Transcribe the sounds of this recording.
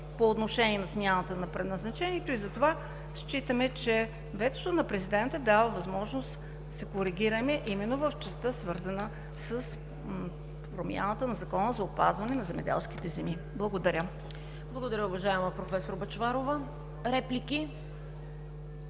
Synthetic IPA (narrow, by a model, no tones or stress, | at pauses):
poːt̪noʃɛniɛnɐsmʲjanət̪ənɐpɾɛd̪nɐznɐt͡ʃɛnʲiɛt̪oizɐt̪ova | ʃt͡ʃit̪əmɛt͡ʃɛ | vɛt̪ot̪onɐpɾɛzid̪ɛnt̪əd̪avəvɐzmɔʒnost̪ | sɛkoɾiɡʲiɾɐmɛʔimɛnːovəft͡ʃɛst̪əsvɤɾzənə | səs | pɾomʲja̰nət̪ənɐzɐkɔnəzɐopa̰zvɐnɛnɐzɛmɛ̰d̪ɛ̰lˠsk̟it̪ɛzɛmi | blˠɐɡod̪ɐɾʲə | blˠɐɡod̪ɐɾʲəʊvɐʒaɛməpɾofɛsoɾbɐt͡ʃvaɾovə | ɾɛpliki